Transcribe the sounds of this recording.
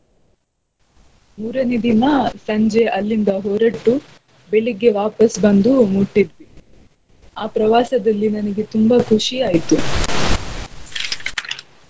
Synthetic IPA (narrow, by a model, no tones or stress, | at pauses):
muːɾɐned̪inɐsɐɲd͡ʒeʔɐlːind̪ɐɦoːɾɐʈːu | beɭiɡe̞ʋaːpɐsbɐnd̪umuʈːid̪ʋi | aːpɾɐʋaːsɐd̪ɐlːinɐnɐɡe̞t̪umbɐkʰuʂijaːjit̪u